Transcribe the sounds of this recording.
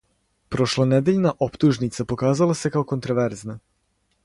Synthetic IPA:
pɾoʃlˠoned̪eʎnaʔopt̪uʒnit̪sapo̞kaːzalˠase̞kao̞ko̞nt̪ɾoʋeɾzna

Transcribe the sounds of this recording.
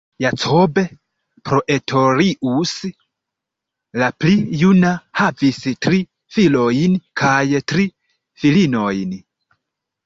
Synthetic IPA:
jat͡sʰo̞be | pɾo̞ʔetʰo̞ɾiʔus | laplijunahavistɾi | filo̞jnkʰajtɾi | filino̞jn

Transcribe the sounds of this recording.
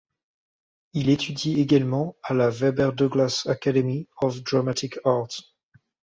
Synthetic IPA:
ilet̪ʰyd̪ieɡalmɑ̃alavɛbɛʁd̪əɡlasakad̪emiɔfd̪ʁamat̪ikaʁt̪

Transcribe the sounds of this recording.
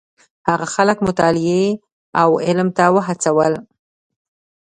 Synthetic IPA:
haɣaxaləkmʊt̪ɑlɪe | awɪlmt̪awəɦat͡sawəl

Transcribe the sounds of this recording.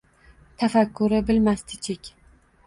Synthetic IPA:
t̪ʰafakʲːʊɾɪbɪlmast̪ʰɪt͡ʃʰekʲ

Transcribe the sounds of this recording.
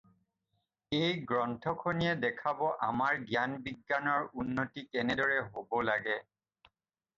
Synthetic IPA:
ejɡɹɔntʰɔkʰoniɛdɛkʰabɔʔamaɹɡjanbiɡːanɔɹunːotikɛnɛdɔɹɛɦobɔlaɡɛ

